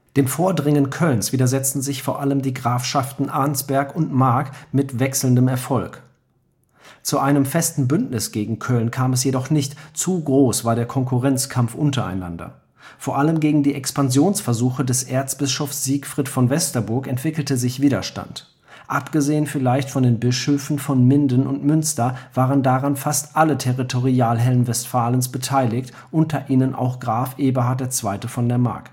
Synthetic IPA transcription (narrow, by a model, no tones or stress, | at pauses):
d̥eːmfoːɐdʁɪŋənkʰœlnsv̥iːdɐzɛt͡stn̩zɪçfoːɐʔaləmdiːɡʁaːfʃaftn̩ʔaɐnsb̥ɛɐkʊntmaɐkmɪtv̥ɛksl̩n̩dəmɛɐfɔlk | t͡suʔaɪnəmfɛstn̩bʏntnɪsɡ̥eːɡŋ̩kʰœlnkʰaːmɛs̬jedɔχnɪçtt͡suɡʁoːsv̥aːɐɾeːɐkʰɔŋkʰuʁɛnt͡skʰamfʔʊntɐa̰ɪna̰ndɐ̰ | foːɐʔaləmɡeːɡŋ̩diːʔɛkspanzjoːnsfɛɐzuːxədɛsʔeːɐt͡sb̥ɪsʃɔfsz̥iːkfʁ̥ɪtfɔnvɛstɐbʊɐkɛntv̥ɪkl̩təzɪçv̥iːdɐʃta̰nt | ʔapɡ̥əzeːənfɪlaɪçtfɔndeːnbɪʃøːfn̩fɔnmɪndənʊ̰ntmʏnstɐv̥aːʁəndaʁanfastʔalətʰɛʁitʰoʁiaːlɦɛlənvɛstfaːlənsb̥ətʰaɪlɪçt | ʔʊntʰɐʔiːnənʔa̰ʊxɡ̥ʁaːfʔeːbɐɦaɐt̚d̥eːɐt͡sv̥aɪtəfɔndeːɐma̰ɐk